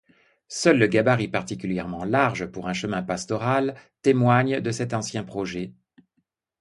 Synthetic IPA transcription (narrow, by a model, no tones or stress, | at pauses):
sœlːəɡabaʁipaʁt̪ikʲyljɛʁmɑ̃laʁʒəpuʁɛ̃ʃəmɛ̃past̪ɔʁalt̪emwaɲd̪əsɛt̪ɑ̃sjɛ̃pχɔʒɛ